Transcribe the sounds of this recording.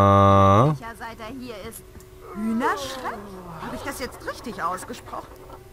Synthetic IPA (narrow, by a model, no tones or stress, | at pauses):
çazaɪteːɐhiːɐɪst | hyːnɐʃʁ̥ɛkhaːbəɪçd̥asjɛt͡stʁɪçtɪçʔaʊsɡ̥əʃpʁ̥ɔχn̩